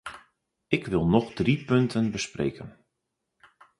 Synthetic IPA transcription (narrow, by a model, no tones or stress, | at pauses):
ɪkʋɪlˠnɔχdripɵntʰənbəsprḛːkən